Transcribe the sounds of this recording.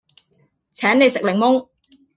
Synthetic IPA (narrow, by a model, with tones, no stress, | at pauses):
t͡sʰɛː˨˥nne˨˧jsɪ˨klɪ˨˩ŋmʊ˥ŋ